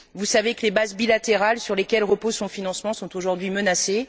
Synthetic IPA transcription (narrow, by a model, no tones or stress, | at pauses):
vusavekəlebazbilat̪eʁalsyʁlekʲɛlʁəpozsɔ̃finɑ̃smɑ̃sɔ̃t̪oʒuʁd̪ɥimənase